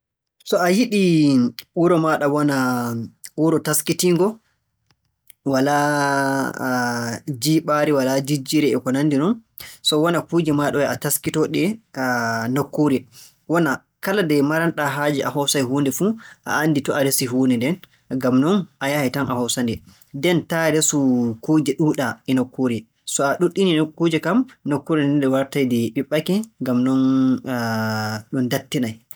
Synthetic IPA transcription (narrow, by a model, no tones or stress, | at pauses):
sɔajiɗiʔuɾɔmaɗawɔna | ʔuɾɔtaskitiŋɡɔ | wala | d͡ʒiːɓaɾiwalad͡ʒid͡ʒiɾɛɛkɔnandinɔn | sɔwɔnakud͡ʒɛmaɗɔwɛataskitɔɗɛ | nɔkːoɾi | wɔna | kaladɛmaɾanɗaɦaːd͡ʒiʔahɔsajɦuːndɛfuʔa̰ːnːditɔaɾesiɦuːnɛndɛn | ɡamnɔnʔajahitanʔahɔsandɛ | dɛntaɾesukud͡ʒɛɗuːɗaɛnɔkːoɾi | sɔaɗuɗːininkːud͡ʒɛkamnɔkːoɾindɛndɛwaɾtajdɛɓiɓːakɛŋɡamnɔn | ɗɔndatːinaj